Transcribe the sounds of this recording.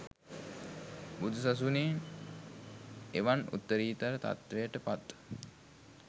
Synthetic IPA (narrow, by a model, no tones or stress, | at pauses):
bud̪ʱusas̬uniːn | eʋanṵt̪ːəɾiːt̪aɾət̪a̰t̪ʋejəʈəpat̪ː